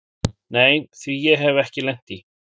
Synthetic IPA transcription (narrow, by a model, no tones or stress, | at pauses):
neːjθvijɛɦɛvɛhcɪlɛn̥t̪i